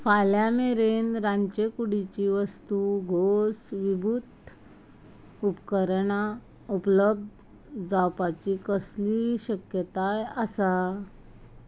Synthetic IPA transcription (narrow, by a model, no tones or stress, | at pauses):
faljameɾenɾãɲt͡ɕekuɽit͡ɕiʋəst̪uɡʱosʋibʱut̪ | upkəɾɳa | upləb̚d̪ | d͡zawpat͡ɕikəsliɕəkjət̪aəsa